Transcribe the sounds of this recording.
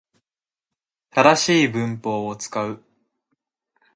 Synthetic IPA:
t̪ad̪aɕiːbɯ̟̃mpo̞ːot͡sɨ̥kaɯ̟

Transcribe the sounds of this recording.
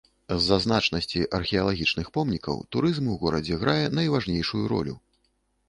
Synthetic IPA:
zːɐzn̪at͡ʂnɐsʲt͡sʲiʔɐrxʲɛɐlˠaɣʲit͡ʂnɨxpɔmnʲikɐ̰wt̪uɾɨzmuɣɔɾɐd͡zʲɛɣɾʔajɛnɐjvaʐnʲejʂujuɾɔ̰lʲṵ

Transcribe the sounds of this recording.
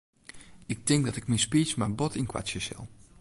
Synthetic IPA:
ɪk̚tɪŋɡ̚dɑtɪkmispismaːɹbɔtɪnkʋa̰t͡ʃəsɛ̰lˠ

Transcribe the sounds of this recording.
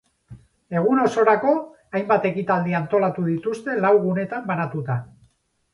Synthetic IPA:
e̞ɣ̞uno̞so̞ɾako̞ | ajmbat̪e̞kit̪ald̪iant̪o̞lat̪uðit̪ust̪e̞lawɣune̞t̪ambanat̪ut̪a

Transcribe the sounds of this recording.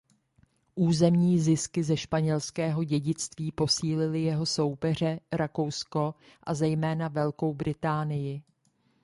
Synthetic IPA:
ʔuːzɛmɲiːzɪskɪzɛʃpaɲɛlskɛːɦo̞ɟɛɟɪt͡st̪viːpo̞siːlɪlɪjɛɦo̞so̞wpɛr̝ɛɾako̞wsko̞ | ʔazɛjmɛːnavɛlko̞wbɾɪt̪aːnɪjɪ

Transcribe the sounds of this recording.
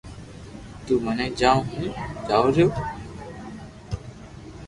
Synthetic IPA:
t̪uːmənẽːd͡ʒãːõɦĩːd͡ʒaːoːɾjoː

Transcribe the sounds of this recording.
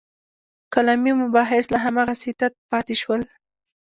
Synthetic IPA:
kalɑmjomʊbɑɦɪslaɦamɑɣasɪt̪at̪̚pɑt̪eʃwəl

